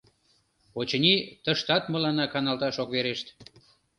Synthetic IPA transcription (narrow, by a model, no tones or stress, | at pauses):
ot͡ɕə̆nit̪əʃt̪ɑt̪mə̆lɑnɑkɑnɑlt̪ɑʃokβeɾeʃt̪